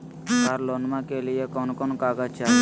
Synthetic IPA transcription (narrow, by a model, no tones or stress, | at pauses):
kaɾlonmakelijekɔnkɔnkaɡat͡ʃʰa